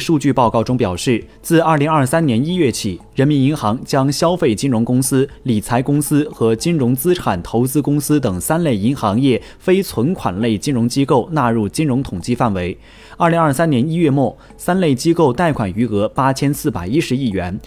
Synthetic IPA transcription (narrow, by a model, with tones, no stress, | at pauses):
ʂu˥˧t͡ɕy˥˧pɑ˥˧ʊkɑ˥˩ʊʈ͡ʂʊ˥ŋpjɑ˨˩ʊʂɻ̩˥˩ | t͡sɹ̩˥˧ɐ˞˥˩li˧˥ŋɐ˞˥˧sa˥njɛ˧˥ni˥ɥɛ˥˩t͡ɕʰi˨˩ɻə˧˥nmi˧˥ni˧˥nxɑ˧˥ŋt͡ɕjɑ˥ŋɕjɑ˥ʊfe˥˩ɪt͡ɕi˥nɻʊ˧˥ŋkʊ˥ŋsɹ̩˥li˨˩t͡sʰa˧˥ɪkʊ˥ŋsɹ̩˥xɤ˧˥t͡ɕi˥nɻʊ˧˥ŋt͡sɹ̩˥ʈ͡ʂʰa˨˩nt̪ʰo˧˥ʊt͡sɹ̩˥kʊ˥ŋsɹ̩˥t̪ɤ˨˩ŋsa˥nle˥˩ɪi˧˥ŋxɑ˧˥ŋjɛ˥˩ | fe˥ɪt͡sʰwə˧˥nkʰwa˨˩nle˥˩ɪt͡ɕi˥nɻʊ˧˥ŋt͡ɕi˥ko˥˧ʊna˥˧ɻu˥˩t͡ɕi˥nɻʊ˧˥ŋt̪ʰʊ˨˩ŋt͡ɕi˥˧fa˥˩nwe˧˥ɪ | ə˞˥˩li˧˥ŋɐ˞˥˧sa˥njɛ˧˥ni˥ɥɛ˥˧mwɔ˥˩ | sa˥nle˥˩ɪt͡ɕi˥ko˥˧ʊt̪a˥˩ɪkʰwa˨˩ny˧˥ɤ˧˥pa˥t͡ɕʰjɛ˥nsɹ̩˥˩pa˨˩ɪi˥ʂɻ̩˧˥i˥˩ɥɛ˧˥n